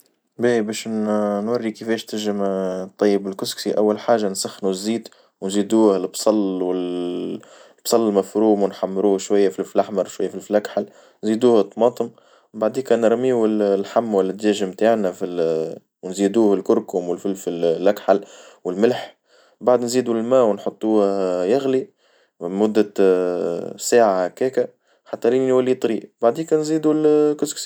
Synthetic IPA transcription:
bæːbɛːʃnwɑrːikɪfɛːʃt̪ɪʒɪmt̪ˤːɑjːɪbɪlkʊsksiʔawːalħaːʒansaxnuzːiːd̪ | wnziːd̪uːhɪlbsˤɑlwɪl | b̥sˤɑlːmafɾuːmwɪnħamːɾuːhʃwajːafilflʔaħmɑɾˤʃwajːafilfilakħal | nziːd̪uːhət̪ˤːmɑːt̪ˤəm | baʕd̪iːkæːnɾˤmiːwɪllħamːwɪlːɪd̪d͡ʒæːʒɪmt̪aːʕnæfil | wnziːd̪uːhɪlkʊɾkʊmwɪlfilfillʔækħalwɪlmɪlħ | baʕd̪nziːd̪ulmæːwnħot̪ˤːuːhjæɣli | mʊd̪ːæ | saːʕahkæːkæ | ħat̪ːæliːnnwælːit̪ˤɾiːbaʕd̪iːkæːnziːd̪ulkʊzksi

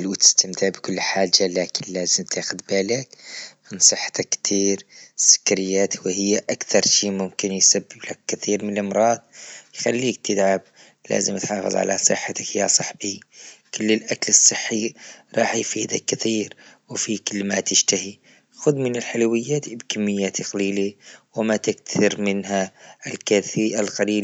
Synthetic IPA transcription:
lwt̪ə̥st̪əmt̪əʕbkʊlːħaːd͡ʒːalakɪnlæːzəmt̪ʰaxʊd̪baːlak | ənsˤəħːt̪akːt̪ʰiːɾsʊ̥kːɾɪjːaːt̪whɪjːaʔakt̪ʰɑɾˤʃimʊmkɪnjsabːɪblakːt̪iːɾmɪnəlmɾˤɑːd̪̚ˤjxalːiːk̚t̪ʰəd̪ʕab̚ | læ̰ːzəmt̪ʕɑfə̰zˤʕa̰lasˤəħːat̪akhjasˤɑħbikʊlːɪlʔaklɨsˤːɨħːiɾˤɑːħjfiːd̪akːɪθiːɾwfikʊlːmat̪ɪʃt̪ahi | xʊd̪mɪnɪlħalwɪjːaːt̪bkamːɪjːat̪ʰiqɑliːliwɪmat̪ɪktɪɾmɪnɦaɪlkaθiʔalqaliːl

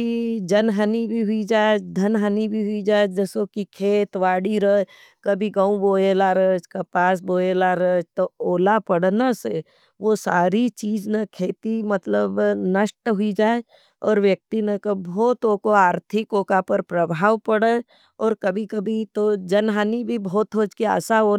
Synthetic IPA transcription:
id͡ʒɐnɦənibʱiɦʊid͡ʒaːed̪ʱɐnɦənibʱiɦʊid͡ʒaːed͡ʒəsokikʰeːt̪ʋaːɽiɾə | kɐbʱiɡãːũboːelaɾət͡ʃkɐpaːs̬boːelaɾət͡ʃt̪ooːlapɐɽnase | ʋosaːɾit͡ʃiːd͡ʒnɐkʰeːt̪imɐt̪ləbnəʃʈɦʊid͡ʒaːe | ɔːɾʋjək̚t̪inəkɐbɔːt̪oːkoaːɾt̪ʰɪkoːkapəɾpɾəbʱaːʋpəɽə | ɔːɾkɐbʱikɐbʱit̪od͡ʒɐnɦanibʱibɔːt̪ɦoːd͡ʒkia̰ːsaoː

